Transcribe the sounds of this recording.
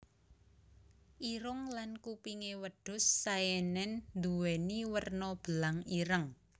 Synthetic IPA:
ʔiɾʊŋlankupiŋewəɖ̥ʊ̤sːajɛnɛnnd̪uweniwərnɔb̥ə̤laŋiɾəŋ

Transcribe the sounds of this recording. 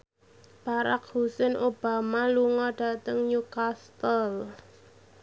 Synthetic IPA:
b̥aɾa̰k̚husɛnʔob̥a̤maluŋɔɖ̥a̤t̪əŋɲukast̪əl

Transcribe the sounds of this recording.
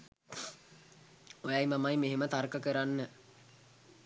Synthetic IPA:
ojajmamajmeɦemət̪aɾkəkəɾanːə

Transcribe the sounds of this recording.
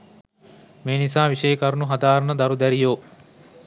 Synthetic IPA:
meːnisaːʋiʃejəkaɾnuɦad̪aːɾɐnəd̪ɐɾud̪æɾijoː

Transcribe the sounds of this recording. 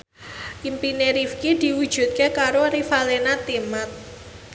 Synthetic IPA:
ʔimpineɾifkid̪̥i̤wu̥ʒ̥ṳt̪̚kekaɾorifalenat̪imat̪̚

